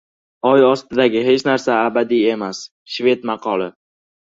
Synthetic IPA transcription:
ɒjɒst̪ɪd̪aɡʲɪɦe̞t͡ʃnaɾsaːbad̪ije̞mas | ʃve̞t̪mɑqʰɒlɪ

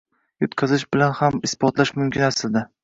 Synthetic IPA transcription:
jot̪kʰɑzɪʃbɪlanhamɪsbɒt̪laʃmʊmkʲɪnasɪld̪ɪ

